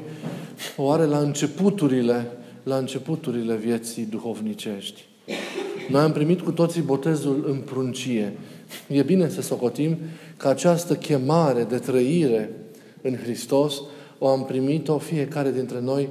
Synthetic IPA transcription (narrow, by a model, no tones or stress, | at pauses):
oaɾe̞laɨnt͡ʃe̞put̪uɾile | laɨnt͡ʃe̞put̪uɾile̞vje̞t̪sid̪uxo̞vnit͡ʃe̞ʃt̪ʲ | no̞jampɾimit̪kut̪o̞t̪sibo̞t̪e̞zulɨnpɾunt͡ʃije̞je̞bine̞səso̞ko̞t̪imkəat͡ʃast̪əkʲe̞maɾe̞d̪e̞t̪ɾəiɾe̞ | ɨnxɾist̪o̞s | o̞ampɾimit̪o̞fije̞kaɾe̞d̪int̪ɾe̞no̞j